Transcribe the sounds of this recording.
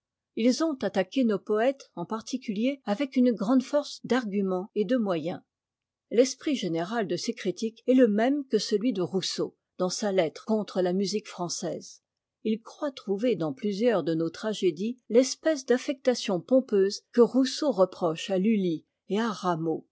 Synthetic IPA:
ilzɔ̃t̪at̪akʲenopɔɛt̪ɑ̃paʁt̪ikʲyljeavɛkynɡʁɑ̃d̪fɔʁsd̪aʁɡʲymɑ̃ed̪əmwajɛ̃ | lɛspχiʒeneʁald̪əsekχit̪ikɛləmɛmkəsəlɥid̪əʁuso | d̪̥ɑ̃salɛt̪χkɔ̃t̪χəlamyzikfχɑ̃sɛːz | ilkχwat̪χuved̪ɑ̃plyzjœʁd̪ənot̪χaʒed̪ilɛspɛsd̪afɛk̚t̪asjɔ̃pɔ̃pøːzkəʁusoʁəpχɔʃalyli | eaʁamo

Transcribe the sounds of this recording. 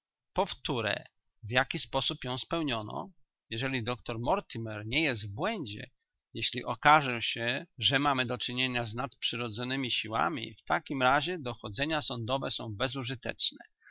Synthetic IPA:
pɔft̪uɾɛ̰ | vjakʲispɔsupjɔ̃w̃spɛwɲɔnɔ̰ | jɛʐɛlʲid̪ɔkt̪ɔɾmɔɾt̪imɛɾɲɛjɛst̪vbwɛɲd͡ʑɛ̰ | jeɕlʲḭʔɔkaʐɛɕɛʐɛmamɘd̪ɔt͡ʂɘɲeɲaznat̪pʂɘɾɔd̪zɔnɘmʲiɕiwa̰mʲḭft̪akʲimɾaʑɛd̪ɔxɔd̪zɛɲasɔnd̪ɔvɛsɔ̃w̃bɛzuʐɘt̪ɛ̰t͡ʂnɛ̰

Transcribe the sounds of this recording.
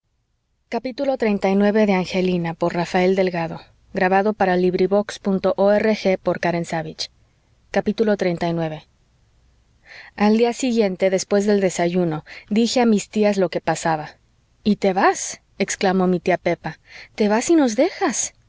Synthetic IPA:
kapit̪ulo̞t̪ɾejnt̪ajnweβe̞ðe̞aŋxe̞linapo̞ɾrafae̞ld̪e̞lɣaðo̞ | ɣɾaβaðo̞paɾaliβɾiβo̞kspunt̪o̞ʔoerexe̞po̞ɾkaɾe̞nsaβit͡ʃ | kapit̪ulo̞t̪ɾe̞jnt̪ajnwe̞βe̞ | ald̪iasiɣjent̪e̞ðe̞spwe̞zðe̞ld̪e̞saʝuno̞ðixeamist̪iazlo̞ke̞pasaβa | it̪e̞βas | eksklamo̞mit̪iape̞pat̪e̞βasino̞zðe̞xas

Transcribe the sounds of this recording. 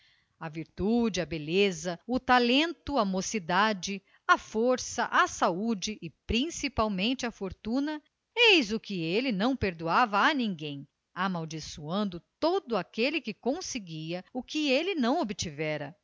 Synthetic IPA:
ɐviɾt̪ud͡ʒɪɐbelezɐʊt̪alẽnt̪ʊamosid̪ad͡ʒɪ | ɐfoɾsɐʔɐsaud͡ʒɪʔɪpɾĩsipawmẽnt͡ʃɪɐfoɾt̪ũnɐ | ejzʊkɪelɪnɐ̃w̃peɾd̪uavɐːnĩŋɡẽj̃ | amawd͡ʒisuɐ̃nd̪ʊt̪od̪ʊakelɪkɪkõsɪɡiɐʊkɪelɪnɐ̃w̃obɪt͡ʃivɛɾɐ

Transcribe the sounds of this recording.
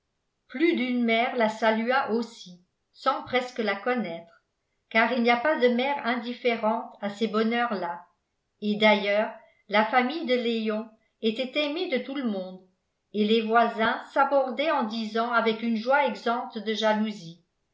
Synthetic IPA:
plyd̪ynmɛːʁlasalyaʔosi | sɑ̃pχɛskəlakɔnɛt̪χ | kaːʁilnijapad̪əmɛːʁɛ̃d̪ifeʁɑ̃t̪asebɔnœʁla | ed̪ajœːʁ | lafamijd̪əleɔ̃ | et̪ɛt̪ɛmed̪ət̪uləmɔ̃d̪ | elevwazɛ̃sabɔʁd̪ɛɑ̃d̪izɑ̃avɛkynʒwaɛɡzɑ̃t̪d̪əʒaluzi

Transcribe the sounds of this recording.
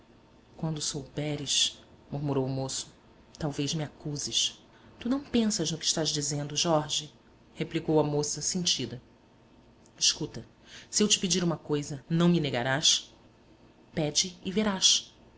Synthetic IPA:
kwɐ̃nd̪ʊsowbɛɾɪʃ | muɾmuɾowʊmosʊ̥ | t̪awvejzmiakuzɪʃ | t̪unɐ̃w̃pẽsɐʒnʊkɪ̥ʃt̪aʒd͡ʒizẽnd̪ʊʒɔɾʒɪ | heplikowɐmosɐsẽnt͡ʃid̪ɐ | ɪʃkut̪ɐ | sɪewt͡ʃɪ̥pid͡ʒiɾũmɐkojzɐnɐ̃w̃mineɡaɾaʃ | pɛd͡ʒɪːveɾaʃ

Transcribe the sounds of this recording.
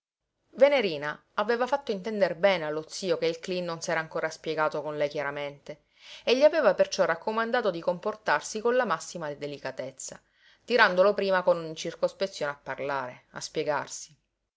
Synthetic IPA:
veneɾiːna | aveːvafat̪ːoint̪ɛnd̪eɾbɛːnealːot̪sːiːokeilklinːonsɛːɾaŋkoːɾaspjeɡaːt̪okonlɛjk̟jaɾament̪e | eʎːiaveːvapert͡ʃɔrakːomand̪aːt̪od̪ikomport̪arsikonlamasːimad̪id̪elikat̪et̪sːa̰ | t̪iɾand̪olopɾiːmakonuɲt͡ʃirkospet̪sːjoːneapːarlaːɾea̰spjeɡa̰rsi̥

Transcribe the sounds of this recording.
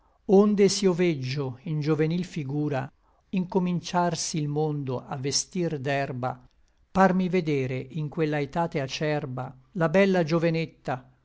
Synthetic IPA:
ond̪esioved͡ʒːoind͡ʒovenilfiɡuːɾa | iŋkomint͡ʃarsilmond̪oʔavːest̪ird̪ɛrba̰ | parmived̪ɛːɾeʔiŋkwelːaet̪aːt̪eat͡ʃɛrbalabɛlːad͡ʒovenet̪ːa

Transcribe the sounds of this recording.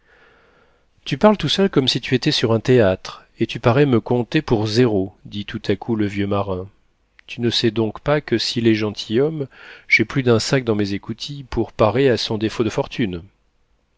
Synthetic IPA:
t̪ypaʁlt̪usœlkɔmsit̪yet̪ɛsyʁɛ̃t̪eat̪χ | et̪ypaʁɛməkɔ̃t̪epuʁzeʁod̪it̪ut̪ʰakuləvjømaʁɛ̃ | t̪ynəsɛd̪ɔ̃kpakəsileʒɑ̃t̪ʰijɔmʒ̥ɛplyd̪ɛ̃sak̚d̪ɑ̃mezekut̪ʰipuʁpaʁeasɔ̃d̪efod̪əfɔʁt̪ʰyn

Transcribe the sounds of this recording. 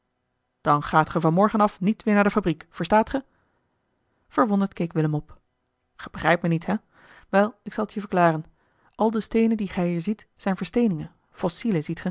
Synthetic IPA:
d̥ɑnχaːtχəvɑnmɔɹχənɑfnitʋɪːɹnaɹdəfabrikfəɹstaːtχə | v̥əɹʋɔndəɹtkejkʋɪləmɔp | χəb̥əχrɛjp̚mənitɦɛ | ʋɛlˠɪksɑlˠəthiːvəɹklaːrən | ʔɑlˠdəstejnəndiχɛjɦiːɹzitsɛjnvəɹstejnɪŋən | fɔsiləzitχə

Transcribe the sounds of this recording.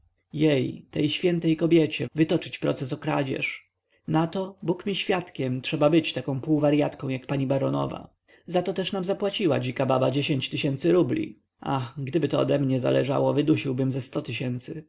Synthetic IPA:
jɛjt̪ɛjɕfʲjɛnt̪ɛjkɔbʲjɛt͡ɕɛvɘt̪ɔt͡ʂɘt͡ɕpɾɔ̰t̪sɛs̬ɔkɾa̰d͡ʑɛ̰ʂ | nat̪ɔbukmʲiɕfʲjat̪kʲɛmtʂɛbabɘt͡ɕt̪akɔ̃w̃puwvaɾjat̪kɔ̃w̃jakpaɲibaɾɔnɔ̰va̰ | zat̪ɔt̪ɛʂnamzapwat͡ɕiwa̰d͡ʑikababad͡ʑeɕeɲt͡ɕt̪ɘɕɛnt̪sɘɾublʲḭ | ʔa̰xɡd̪ɘbɘt̪ɔɔd̪ɛmɲɛza̰lɛ̰ʐa̰wɔvɘd̪uɕiwbɘmzɛst̪ɔt̪ɘɕɛnt̪sɘ

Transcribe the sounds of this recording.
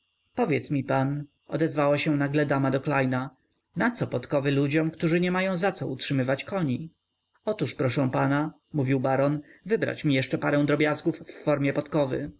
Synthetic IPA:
pɔvʲjɛt̪smʲipan | ʔɔ̰d̪ɛzvawaɕɛ̃naɡlɛd̪amad̪ɔklajna | nat̪sɔpɔt̪kɔvɘlud͡ʑɔmkt̪uʐɘɲɛmajɔ̃w̃zat̪sɔutʂɘmɘvat͡ɕkɔɲi | ɔt̪uʂpɾɔʂɛ̃w̃pana | muvʲiwbaɾɔnvɘbɾa̰t͡ɕmʲijɛʂt͡ʂɛpaɾɛ̃w̃d̪ɾɔbʲjazɡufːɔɾmʲjɛpɔt̪kɔvɘ̰

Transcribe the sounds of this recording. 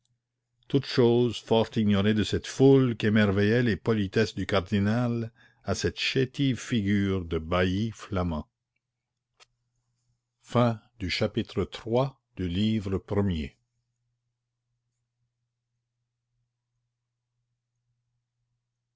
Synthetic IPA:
t̪ut̪ʃoːzfɔʁt̪iɲɔʁed̪əsɛt̪fulkemɛʁvɛjɛlepɔlit̪ɛsd̪ykaʁd̪inal | asɛt̪ʃet̪ivfiɡyːʁd̪əbaiflamɑ̃ | fɛ̃d̪yʃapit̪ʁət̪ɾwa | d̪̥yliːvʁəpɾəmjḛ

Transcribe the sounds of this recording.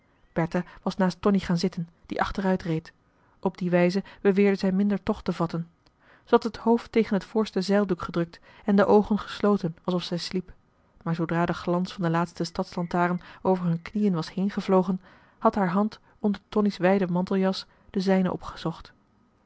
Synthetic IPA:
b̥ɛɹtaʋɑsnaːstɔniχaːnzɪtən | d̥ḭʔɑ̰χtərœɥtrejt | ʔɔb̚diʋɛjzəb̥əʋɪːɹdəzɛjmɪndəɹtɔχtəvɑtən | zəɑtɦəthowftːejχənɦətfʊːɹstəzɛjlˠdukχədrɵk̚t | ɛndəʔowχənχə̥slowtənɑlˠsɔfsɛjslip | maːɹzowdraːdəχlɑnsfɑndəlaːtstəstɑtslɑntaːrənowvəɹɦɵnknijənʋɑshejnχəvlowχən | hɑtɦaːɹɦɑnt | ɔndəɹtɔnisʋɛjdəmɑntəlˠjɑs | d̥əzɛjnə̰ʔɔ̰pχə̥z̥ɔχt

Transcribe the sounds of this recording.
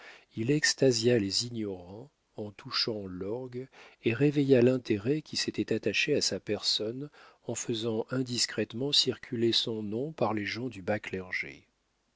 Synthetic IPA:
ilɛkst̪azjalezinjɔʁɑ̃ | ɑ̃t̪ʰuʃɑ̃lɔʁɡeʁevejalɛ̃t̪eʁɛkʲʰiset̪ɛt̪at̪aʃeasapɛʁsɔn | ɑ̃fəzɑ̃ʔɛ̃d̪iskχɛt̪mɑ̃siʁkʲʰylesɔ̃nɔ̃paʁleʒɑ̃d̪ybaklɛʁʒḛ

